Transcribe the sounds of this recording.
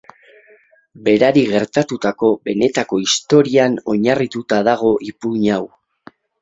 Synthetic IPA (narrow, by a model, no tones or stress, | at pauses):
be̞ɾaɾiɣe̞ɾt̪at̪ut̪ako̞be̞ne̞t̪ako̞ist̪o̞ɾiano̞ɲarit̪ut̪aðaɣ̞o̞ʔipuɲaw